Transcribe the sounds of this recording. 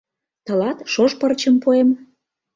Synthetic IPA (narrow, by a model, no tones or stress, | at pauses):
t̪ɤ̆lɑt̪ʃoʃpərt͡ɕəmpoem